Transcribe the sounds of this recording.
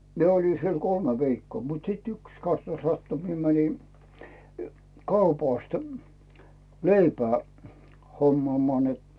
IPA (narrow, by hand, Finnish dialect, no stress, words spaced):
mie olʲi siel kolme ʋiːkːoː mut siˑt yks kɑsnɑ sɑtːu mie mæni kɑupɑˑst leipæː homːŏɑˑmŏɑˑ net